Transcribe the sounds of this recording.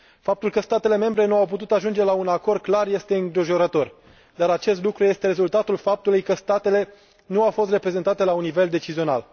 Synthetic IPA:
fap̚t̪ulkəst̪at̪e̞le̞me̞mbɾe̞nuawp̬ut̪ut̪aʒund͡ʒe̞launako̞rd̪̥̚klarje̞st̪e̞ɨŋɡɾiʒo̞ɾət̪o̞r | d̪aɾat͡ʃe̞st̪lukɾuje̞st̪e̞ɾe̞zult̪at̪ulfap̚t̪ulujkəst̪at̪e̞le̞ | nuawfost̪re̞pɾe̞zent̪at̪e̞launːive̞ld̪e̞t͡ʃizio̞na̰l

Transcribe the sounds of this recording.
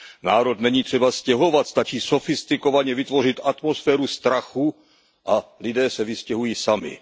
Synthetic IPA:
naːɾo̞t̪nɛɲiːt̪r̥ɛbascɛɦo̞vat̪st̪at͡ʃiːso̞fɪst̪ɪko̞vaɲɛvɪt̪vo̞rɪt̪at̪mo̞sfɛːɾust̪ɾaxu | ʔalɪdɛːsɛvɪscɛɦujiːsamɪ̰

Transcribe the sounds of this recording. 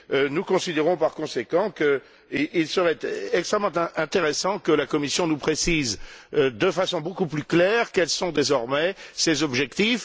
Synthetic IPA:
ønukɔ̃sid̪eʁɔ̃paʁkɔ̃sekɑ̃kə | iʔilsəʁɛt̪ɛkst̪χɛmːɑ̃t̪ɛ̃ɛ̃t̪eʁesɑ̃kəlakɔmisjɔ̃nupχesizd̪əfasɔ̃bokuplyklɛːʁkɛlsɔ̃d̪ezɔʁmɛsezɔbʒɛkt̪if

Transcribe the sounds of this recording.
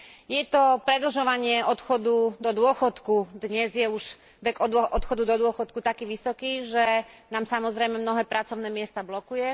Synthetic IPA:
jɛt̪ɔpɾɛd̪l̩ʒɔʋaɲɪɛʔɔt̪xɔd̪ud̪ɔd̪ʊɔxɔt̪kud̪ɲɛzjɛuʒ | ʋɛɡɔɔt̪xɔd̪ud̪ɔd̪ʊɔxɔt̪̚kut̪akiːʋisɔkiːʒɛnaːmsamɔzɾɛjmɛmnɔɦɛːpɾat͡sɔʊnɛːmɪɛst̪ablɔkujɛ

